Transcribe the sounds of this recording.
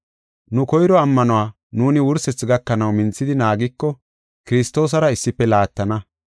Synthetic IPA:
nʊkɔjɾɔɐmːɐnɔwaː | nuːnɪwʊɾsɛt͡sːɪɡɐkːɐnɐwmɪnt͡sːɪd̪ɪnaːɡɪkːɔ | kɪɾɪst̪o̞ːs̬ɐɾɐɪsːɪpːɛlaːt̪ːɐnɐ

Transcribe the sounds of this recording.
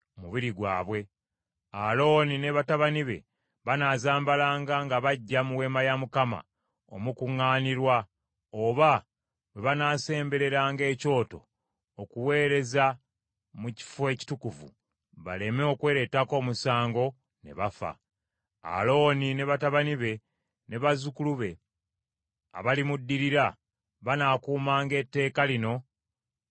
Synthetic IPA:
muβiɾiɡwaːβwe̞ | a̰lo̞ːnine̞βataβaniβe̞̰ | βanaːzaːmbalaːŋɡaŋɡaβaɟːamuwe̞ːmajamukama̰ | o̰mukuŋːaːniɾwa | oβa | we̞βanaːse̞ːmbe̞ɾe̞ɾaːŋɡe̞ːco̞ːto̞̰ː | kuwe̞ːɾe̞za | muci̥foe̞ːci̥tukuvṵ | βa̰le̞meo̞kwe̞ːɾetːako̞ːmusaːŋɡo̞ | ne̞̰βafa̰ | a̰lo̞ːnine̞βataβaniβe̞ | ne̞βazukuluβe̞ | a̰βalimudːiɾiɾa | βanaːkuːmaːŋɡe̞tːe̞ːkalino̞

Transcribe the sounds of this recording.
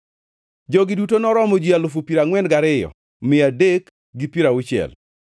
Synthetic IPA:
d͡ʒɔɡɪdutonɔɾɔmɔd͡ʒialʊfupiɾaŋwɛnɡaɾɪjɔ̰ | mɪadek | ɡɪpiɾaʊt͡ʃjɛ̰l

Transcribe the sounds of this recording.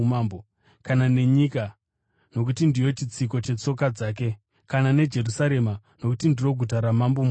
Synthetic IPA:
mambo | kanane̞ɲika | no̞k̬utindijo̞t͡ʃit͡sik̬o̞t͡ʃe̞t͡so̞kad͡zaːk̬e̞ | kanane̞d͡ʒe̞rusaɾe̞ma | no̞kutindiro̞ɡʱutaɾamambom

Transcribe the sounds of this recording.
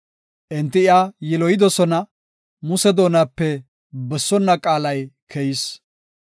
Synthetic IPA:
ʔɛnt̪ːɪɪajɪlɔjɪd̪ɔsɔnɐ | mʊsɛd̪o̞ːnaːpːɛ | bɛsːɔnːɐkʼaːlɐjkʰɛjɪs

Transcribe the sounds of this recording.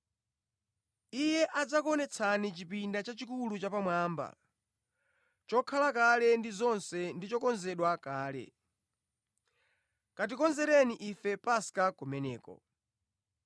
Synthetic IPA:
ijɛʔad͡zakɔnɛt͡sʰanit͡ʃipindat͡ʃat͡ʃikulut͡ʃapamwaːmba̰ | t͡ʃɔkʰalakalɛndizɔnsɛndit͡ʃɔkɔnzɛɗwakaːlɛ̰ | kat̬ikɔnzɛɾɛniʔifɛpasi̥kakumɛnɛːkɔ̰

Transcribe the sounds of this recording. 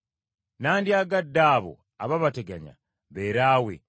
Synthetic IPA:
naːndjaːɡadːaːβo̰ | aβaβateɡaɲa̰ | βeːɾaːwḛ

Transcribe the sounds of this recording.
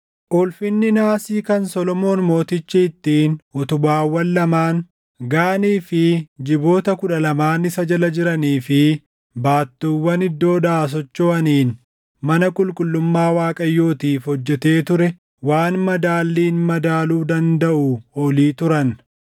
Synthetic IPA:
ʔʊlfɪnːɪnaːsiːkɐnsɔlɔmo̞ːnmo̞ːt̪ɪt͡ʃːɪɪt̪ːiːnɔt̪ʊbaːwːɐlːɐmaːn | ɡaːniːfɪd͡ʒɪbo̞ːt̪ɐkʊᶑɐlɐmaːnɪsɐd͡ʒɐlɐd͡ʒɪɾɐniːfɪ | baːt̪ːuːwːɐnɪd̪ːo̞ːd̪aːs̬ɔt͡ʃːoːɐniːn | mɐnɐkʼʊlkʼʊlːʊmːaːwaːkʼɐjːoːt̪iːfhɔd͡ʒːɛt̪e̞ːt̪ʊɾɛ | waːnmɐd̪aːlːiːnmɐd̪aːluːd̪ɐnd̪ɐʔʊɔliːt̪ʊɾɐn

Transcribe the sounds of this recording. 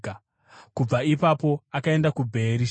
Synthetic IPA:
kub͡vaipapo̞akae̞ndakubʱe̞ɾi

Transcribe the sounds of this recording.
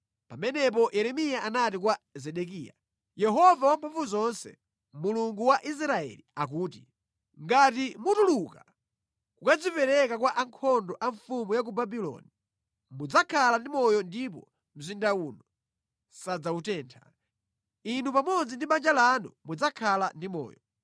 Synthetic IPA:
pamɛnɛp̬ɔjɛɾɛmijaʔanat̬ikwazɛɗɛk̬iːja̰ | jɛɦɔvawampʰuɱvuzɔnsɛ̰ | muluŋɡuwaʔis̬ɾaɛ̰liak̬uːt̬i | ŋɡat̬imutuluka | kukad͡zipɛɾɛkakwaʔaŋkʰɔndɔʔaɱfumujak̬ubabilɔ̰ni | mud͡zakʰalandimɔjɔndipɔ̰ | m̩zindaunɔ | sad͡zautɛːntʰḁ̰ | inupamɔd͡zindimand͡ʒalanumud͡zakʰalandimɔ̰ːjɔ

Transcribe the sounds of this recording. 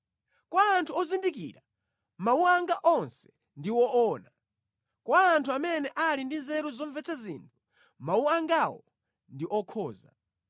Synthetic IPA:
kwaːntʰuɔzindikḭːɾa | mauaŋɡaʔɔnsɛ̥ | ndiwɔʔɔːna | kwaːntʰuamɛnɛʔalindinzɛɾuzɔɱvɛt͡sʰazintʰu̥ | mauaŋɡawɔ̰ | ndiʔɔkʰɔːza̰

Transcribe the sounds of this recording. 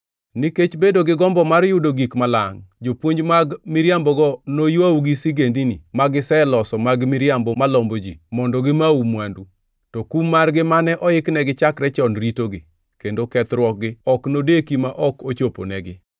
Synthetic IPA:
niket͡ʃbedoɡɪɡɔmbɔmarjʊdoɡikmala̰ŋd͡ʒopwoɲd͡ʒmaɡmɪɾjambɔɡɔnojwawɡisiɡendinimaɡɪsɛlɔsɔmaɡmɪɾjambɔmalɔmbod͡ʒimɔndɔɡɪmaumwandu | tɔkumːarɡɪmanɛʔɔɪknɛɡɪt͡ʃakɾɛt͡ʃɔnɾitoɡɪ | kendokɛt̪ɾwɔk̚ɡɪɔknodekimaʔɔkot͡ʃopo̰nɛɡɪ

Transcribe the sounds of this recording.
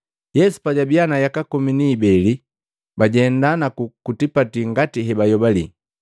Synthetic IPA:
jɛsu̥paɟabianajakakɔminiːbɛli | baɟɛndanakukutipatiŋɡatiɦɛbajɔbalḭ

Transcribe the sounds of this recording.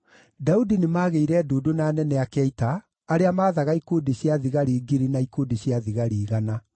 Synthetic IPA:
daudinemaːɣeiɾɛdoːdonaːnɛnɛakɛitaː | ɾeamaːðaɣaikoːdeɕjaðiɣaɾiːɡiɾinaikoːdeɕjaðiɣaɾiːɣana

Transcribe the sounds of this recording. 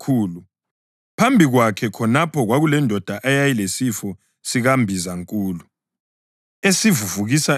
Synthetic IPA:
kʰuːlu | pʰambʱiɣwakʰɛkʰɔnapʰɔɣwaɣulɛndʱɔd̥ʱaʔajajilesifɔ | siɣambʱizaŋkʼuːlu | esivuvuɣisa

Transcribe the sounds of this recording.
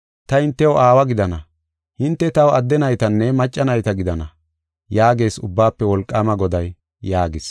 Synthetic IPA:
t̪ɐɪnt̪ːɛwaːwɐɡɪd̪ɐnɐ | hɪnt̪ːɛt̪ɐwɐd̪ːɛnɐjt̪ɐnːɛmɐt͡ʃʼːɐnɐjt̪ɐɡɪd̪ɐnɐ | jaːɡe̞ːsʊbːaːpːɛwɔlkʼːaːmɐɡɔd̪ɐjː | aːɡɪs

